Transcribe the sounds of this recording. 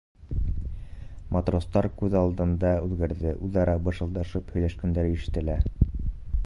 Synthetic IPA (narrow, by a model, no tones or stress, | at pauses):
mʔat̪rost̪ɑɾkʉðɑlˠd̪ɤ̆nd̪ɑʉðɡæɾðɘʔʉðɑɾɑbɤ̆ʃɤ̆lˠd̪ɑʃɤphɵ̆jlæʃkɵ̆nd̪æɾiʃɘ̥̆t̪ɘ̆læ